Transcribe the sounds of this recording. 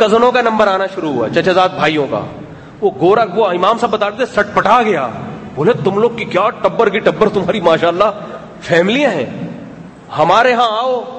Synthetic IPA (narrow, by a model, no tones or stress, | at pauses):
kɐzənõkanɐ̃mbəɾaːnaʃʊɾuɦʊa̰ːt͡ʃɐt͡ʃazaːd̪̚bʱaːijõka̰ː | ʋoɡoːɾaoɪmaːmsãbɐt̪aːɽd̪esɐʈʰpɐʈʰaɡɐja̰ːboːlet̪ʊmloːɡ̚kikjaːʈɐbːəɾkiʈɐbːəɾt̪ʊmɦaːɾimaːʃaːlːa | fʰɛːmɪlijãɦɛ̰̃ː | hɐmaːɾeɦãaːoː